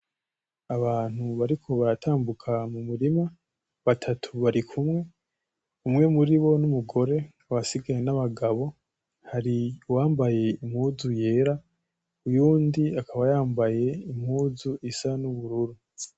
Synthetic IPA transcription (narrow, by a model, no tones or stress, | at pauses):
aβaːn̥huβaɾikʰo̞βaɾatʰaːmbukʰamumuɾima | βatʰatʰuβaɾikʰumŋe̞ | umŋe̞muɾiβo̞numuɡo̞ɾe̞ | aβasiɡajenaβaɡaβo̞ | haɾiwaːmbaje̞imhuːzuje̞ɾa | ujuːndiakʰaβajaːmbaje̞im̥huːzuisanuβuɾuɾu